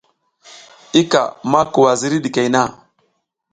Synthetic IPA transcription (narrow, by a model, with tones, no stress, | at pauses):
i˦ka̰˨ma˦ku˨wa˨zi˦ɾi˦ɗi˨ke˨jna˦˨